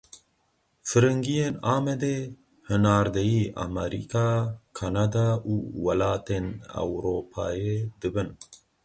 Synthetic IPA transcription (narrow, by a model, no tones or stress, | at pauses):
fɨɾɨŋɡijeːnaːmɛd̪e | hɨnaːɾd̪ɛjiːʔa̰mɛɾḭkʰaːkʰanad̪aːʔuːwɐlaːt̪eːna̰wɾoːpʰa̰ːjed̪ɨbɨn